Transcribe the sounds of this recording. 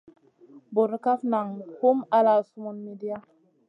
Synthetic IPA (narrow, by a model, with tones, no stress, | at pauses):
bo˨ɾka˦fna˨ŋho˦ma˦la˨su˦mu˦nmi˨di˦a˦